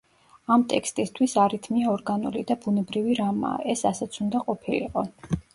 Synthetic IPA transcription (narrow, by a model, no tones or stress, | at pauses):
amt̪ʼɛkʰst̪ʼist̪ʰwisaɾit̪ʰmiaɔɾɡanṵlid̪abunɛbɾiviɾama̰ːʔɛsasɛt̪sʰund̪aqʼɔpʰilḭqʼɔ